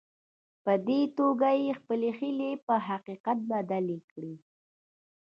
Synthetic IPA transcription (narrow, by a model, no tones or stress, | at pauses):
pəd̪et̪oɡajexpəlexilepəɦaqiqat̪̚bad̪alikɽi